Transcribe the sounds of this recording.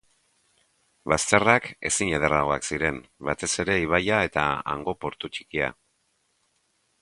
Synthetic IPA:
bast̪e̞rake̞̰siɲeð̞eraɣ̞o̞aksiɾe̞mbat̪e̞se̞ɾe̞iβ̞ajae̞t̪a̰a̰ŋɡo̞po̞ɾt̪ut͡ʃi̥kia̰

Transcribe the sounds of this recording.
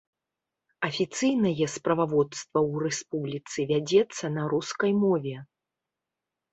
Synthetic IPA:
ɐfʲit̪sɨjnɐjɛspɾɐvavɔt̪st̪vɐwrɛspublʲit̪sɨvʲad͡zʲɛt̪sːɐnɐɾuskɐjmɔvʲɛ

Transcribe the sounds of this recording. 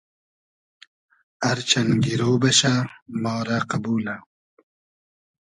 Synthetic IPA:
aɾt͡ʃʰɐnɡiɾoːbɐʃamɑːɾaqabuːla

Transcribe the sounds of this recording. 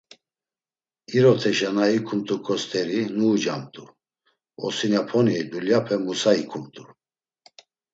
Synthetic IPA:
iɾɔt̪ʰɛʃanaikʰumt̪ʼukʰʼɔst̪ʰʼɛɾinuːd͡ʒamt̪ʼu | ɔ̰sinapʰɔnid̪uljapʰɛmusaikʰumt̪ʼu

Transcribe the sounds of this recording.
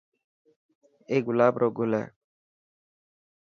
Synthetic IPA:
eːɡʊlaːbɾʔoːɡʊlɛ̰ː

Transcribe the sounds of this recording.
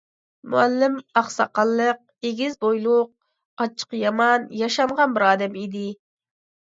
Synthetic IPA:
muælːɪmɑχsɑqɑlˠːəq̚eɡʲizbojlˠʊq̚ | ɑt͡ʃʰə̥qjɑmɑnjɑʃɑɴʁɑnbɪɾɑːd̪ɛmid̪ɪ

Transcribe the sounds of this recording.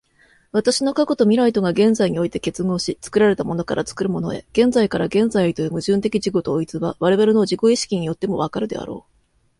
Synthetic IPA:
βat̪aɕino̞kakot̪o̞mʲiɾait̪o̞ɡaɡẽ̞nd͡zaiɲ̟io̞it̪e̞ke̞t͡sɨŋo̞ːɕit͡sɨ̥kɯ̟ɾaɾe̞t̪amo̞no̞kaɾʔa̰t͡sɨ̥kɯ̟ɾɯ̟mo̞no̞e̞̰ɡ̥ẽ̞nd͡zaikaɾaɡẽ̞nd͡zaiit̪o̞jomɯ̟ʑɨ̃nt̪e̞kʲiʑiɡo̞t̪o̞ːit͡sɨβa̰βaɾe̞βaɾeno̞ʑiko̞iɕi̥kʲiɲ̟ijo̞t̪ːe̞mo̞β̞akaɾɯ̟d̪e̞̰a̰ɾo̞̰ː

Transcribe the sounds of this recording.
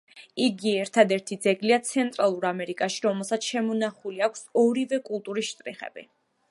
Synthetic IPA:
iɡiɛɾt̪ʰad̪ɛɾt̪ʰid̪zɛɡliat̪sʰɛnt̪ʼɾalˠuɾamɛɾikʼaʃiɾɔmɛlˠsat̪sʰʃɛmɔnaχuliakʰsɔɾivɛkʼulˠt̪ʼuɾisʃt̪ʼɾiχɛ̰b̥ḭ

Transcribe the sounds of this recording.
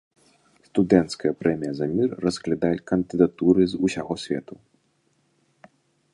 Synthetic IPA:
st̪ud̪ɛnt̪skɐjɐpɾɛmʲijɐzamʲirːɐsklʲad̪ajɛkɐnd̪ɨd̪at̪uɾɨzusʲaɣɔsʲvʲɛ̰t̪u

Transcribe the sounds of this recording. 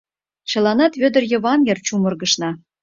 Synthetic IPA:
t͡ɕɤ̆lˠɑnɑt̪βʲød̪ə̆rjɤ̆βɑnjert͡ɕumɤ̆rɣɤ̆ʃnɑ

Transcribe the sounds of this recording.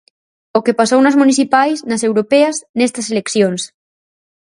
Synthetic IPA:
okepasownɐzmuniθipajsnɐsewɾopeɐznɛst̪ɐselekθjons

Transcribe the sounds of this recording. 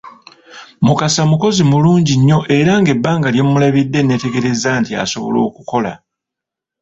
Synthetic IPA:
mukasamuko̞zimuluːɲɟiɲːo̞ʔe̞ɾaŋɡe̞bːaːŋɡaljemːulaβidːe̞ne̞te̞ɡe̞ɾe̞zaːntia̰so̞̰βo̞̰lo̞̰ːkuko̞la̰

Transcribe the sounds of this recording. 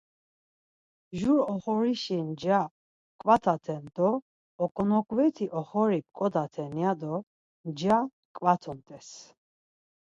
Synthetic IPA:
ʒuɾɔχɔɾiʃind͡ʒa | kʼwat̪ʰat̪ʰɛnd̪̥ɔː | kʼɔnɔkʰʼvɛt̪ʰiʔɔχɔɾip̚kʼɔd̪at̪ʰɛnjad̪ɔ | nd͡ʒa | kʼwat̪ʰɔnt̪ʼɛs

